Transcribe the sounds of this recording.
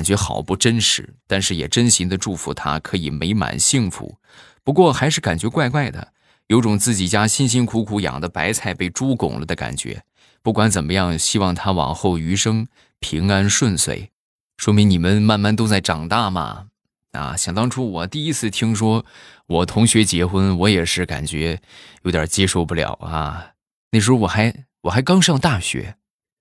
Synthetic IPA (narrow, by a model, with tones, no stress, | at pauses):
nt͡ɕɥɛ˧˥xɑ˨˩ʊpu˥˩ʈ͡ʂə˥nʂɻ̩˧˥t̪a˥˧nʂɻ̩˥˩jɛ̰˨˩ʈ͡ʂə˥nɕi˧˥ŋd̪ə˧ʈ͡ʂu˥˩fṵ˧˥t̪ʰa̰˥kʰɤ˧˥i˨˩me˧˥ɪma̰˨˩nɕi˥˩ŋfṵ˧˩˥ | pu˧˥kwɔ˥˩xa˧˥ɪʂɻ̩˥˩ka˨˩nt͡ɕɥɛ˧˥kwa˥˧ɪkwa˥˩ɪd̪ə̰˩ | jo˧˥ʊʈ͡ʂʊ˨˩ŋt͡sɹ̩˥˩t͡ɕi˨˩t͡ɕja˥ɕi˥nɕi˥nkʰu˧˥kʰu˧˥jɑ̰˨˩ŋd̪ə˦pa˧˥ɪt͡sʰa˥˧ɪpe˥˩ɪʈ͡ʂu˥kʊ̰˨˩ŋlə̰˦d̪ə˦˧ka̰˨˩nt͡ɕɥɛ̰˧˥ | pu˥˩kwa˧˥nt͡sə˨˩nmə˦jɑ˥˩ŋɕi˥wɑ˥˩ŋt̪ʰa˥wɑ̰˨˩ŋxo˥˩ʊy˧˥ʂɤ˥ŋ | pʰi˧˥ŋa˥nʂwə˥˧nsʰwḛ˥˩ɪ | ʂwɔ˥mi˧˥ŋni˨˩mə˦nma˥˧nma˥˩nt̪̬o˥ʊt͡sa˥˩ɪʈ͡ʂɑ˨˩ŋt̪a˥˩mɐ̰˩ | ɐ̰˧˩ɕjɑ˨˩ŋt̪ɑ˥ŋʈ͡ʂʰu˥wɔ˨˩t̪i˥˩i˥t͡sʰɹ̩˥˩t̪ʰi˥ŋʂwɔ˥wɔ˨˩t̪ʰʊ˧˥ŋɕɥɛ˧˥t͡ɕjɛ˧˥xwə˥nwɔ˧˥jɛ˨˩ʂɻ̩˥˩ka̰˨˩nt͡ɕɥɛ˧˥jo˧˥ʊt̪jɑ̰˨˩t͡ɕjɛ˥ʂo˥˧ʊpu˥˩ljɑ̰˨˩ʊɐ̰˧ | na˥˩ɪʂɻ̩˥xo˥wɔ˨˩xa˧˥ɪwɔ˨˩xa˧˥ɪkɑ˥ŋʂɑ˥˧ŋt̪a˥˩ɕɥɛ̰˧˥